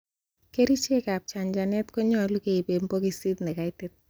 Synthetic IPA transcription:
ke˦ɾi˦t͡ʃe˦ka˨p̚t͡ʃa˨ɲd͡ʒa˨nɛ˦tko˦ɲɔ˨˦lu˦ke˨i˨be˨mpo˦ki˦si˦t̪nɛ˨ka˨ɪ˦tɪ˦t̪̚

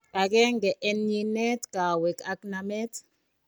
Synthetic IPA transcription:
ka˨k̬ɛ˦ŋɡɛ˨ʔɛ˨nɲi˨nɛ˦tka˨wɛ˨ka˨kna˨mɛ˦t

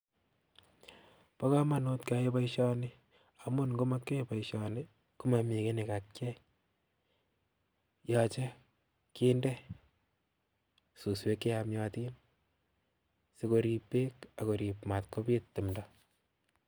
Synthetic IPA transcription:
pa˦ka˦ma˨no˦tkaje˦pa˦iʃɔ˦ni˦ | a˨mu˦nɡo˦ma˦kːe˦pa˨iʃɔ˨ni˦ | ku˦ma˨mi˨ke˦ne˨ka˨k̚t͡ʃɛ˦ | jɔ˧t͡ʃe˦ | ki˦ndɛ˦ | su˨swe˦kːe˦ja˧mjɔti˦n | si˦ko˧ɾi˧pːe˦ka˨ko˨ɾi˨pma˨t̚ko˦pi˦ttːɪ˨mdɔ

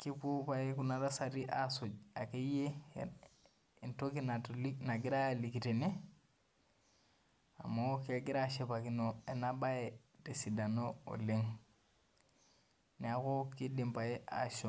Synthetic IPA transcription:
ki˦pu˦pa˨i˦ku˦na˨ɾa˦sa˨ɾi˦ʔa˨so˨d͡ʒa˨ke˦je˦ | i˨nto˦ki˦na˨lna˨ɡi˦ɾa˦a˨li˨ki˨te˨ne˦ | a̰˨ma˨˦ke˦ɡi˦ɾa˦ʃe˦pa˨ki˦no˨e˨na˦ba˦e˨ | te˨si˨da˨no˦o̰˨le˦ŋ | ne˨a˦ko˦ki˦di˨mpa˨e˦ʔa̰˨ʃo˨

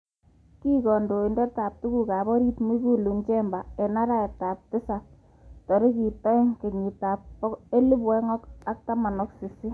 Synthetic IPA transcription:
ki˦kɔ˨ndo˨i˨ndɛ˦taː˨p̚tu˦ku˦ka˨bɔ˦ɾi˦tmi˦ku˦lu˨nt͡ʃɛ˦mba˨e˨na˦ɾa˦e˨ta˨p̚tɪ˦sa˨ | tɔ˨ɾi˦ki˨tɔ˦e˦ŋke˨ɲi˨ta˨pːɔ˦e˦li˦pwɛ˦ŋɔ˦ka˦k̚ta˦ma˨nɔ˦ksi˨sɪ˦

